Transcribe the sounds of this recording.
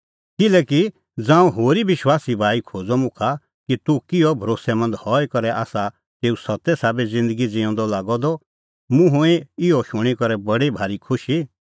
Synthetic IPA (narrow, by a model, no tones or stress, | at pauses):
kɪlɛːki | d͡zãːũɦoːɾibɪʃwaːsibʱaːikʰoːd͡zɔmʊ̃kʰa | kit̪ukɪjɔbʱɐɾoːsɛmɐ̃nd̪hɔːɛkɐɾɛʔaːsa | t̪eːusɐt̪ɛsaːbɛd͡zɪ̃nd̪əɡid͡zɪ̃ɔ̃ːnd̪ɔlaːɡɔd̪ɔ | mʊ̃ɦʊ̃ɛɪɔʃʊɽ̃ikɔɾɛbɐɽibʱaːɾikʰʊʃi